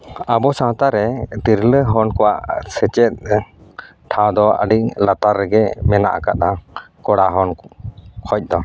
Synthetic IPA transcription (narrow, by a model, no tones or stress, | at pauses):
abɔsãwt̪aɾɛd̪iɾləɦɔnkɔwaʔsɛt͡ʃɛt̪̚ | ʈʰãw̃d̪ɔə̰ɖiʔlat̪aɾɛɡɛmɛna̰ʔa̰ka̰t̪̚a | kɔɽaɦɔnkʰɔc̚ˀd̪ɔ